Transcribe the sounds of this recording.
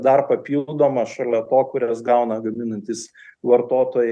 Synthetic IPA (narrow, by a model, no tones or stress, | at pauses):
d̪ɐrpɐpʲiːlˠd̪oːmɐʃɐlʲɛt̪oːkʊɾʲɛsɡɐʊnɐɡɐmʲɪnɐnʲt̪ʲɪsʋɐɾt̪oːt̪oːjɛ